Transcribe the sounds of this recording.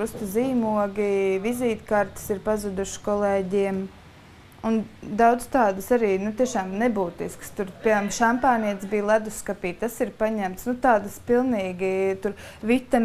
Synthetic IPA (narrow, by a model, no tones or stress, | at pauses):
ɾust̪ziːmuɔɡiviziːt̪kaɾt̪ɪ̥siɾpazud̪uʃkɔlˠeːɟiɛm | und̪awd̪z̥t̪aːd̪əsaɾiːnut̪iɛʃaːmnɛbuːt̪iskst̪uɾpiɛamʃampɑːniɛt̪sbiːjlˠad̪uskapiːt̪asiɾpaɲæmt̪snut̪aːd̪əspilˠniːɡit̪uɾʋit̪a